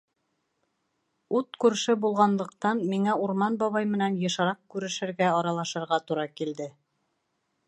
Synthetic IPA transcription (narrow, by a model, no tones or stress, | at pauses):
ut̪kʉɾʃɘbulˠʁɑnlˠɤ̆q̚t̪ɑnmiŋæuɾmɑnbɒβɑjmɘ̆nænjɤ̆ʃɑɾɑq̚kʉɾɘ̆ʃɘ̆ɾɡæɑɾɑlˠɑʃɤ̆ɾʁɑt̪uɾɑkild̪ɘ